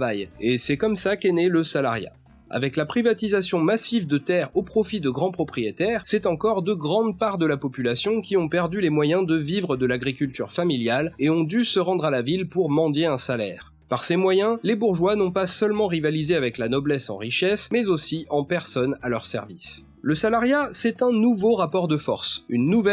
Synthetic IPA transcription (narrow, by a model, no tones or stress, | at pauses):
vajesɛkɔmsakɛnɛləsala̰ʁja̰ | a̰vɛklapχivat̪izasjɔ̃masivd̪ət̪ɛʁopχɔfid̪əɡʁɑ̃pχɔpχijet̪ɛʁsɛt̪ɑ̃kɔʁd̪əɡʁɑ̃d̪paʁd̪əlapɔpylasjɔ̃kʲiɔ̃pɛʁd̪ylemwajɛ̃d̪əvivʁəd̪əlaɡʁikʲylt̪y̰ʁfamiljaleɔ̃d̪ysəʁɑ̃d̪ʁalavilpuʁmɑ̃d̪jeɛ̃salɛ̰ːʁ | paʁsemwajɛ̃lebuʁʒwanɔ̃pasœlmɑ̃ʁivalizeavɛklanɔblɛsɑ̰̃ʁiʃɛsmɛzosiɑ̃pɛʁsɔnalœʁsɛ̰ʁvḭs | ləsalaʁjasɛt̪ɛ̃nuvoʁapɔʁd̪əfɔ̰ʁsynːuvɛ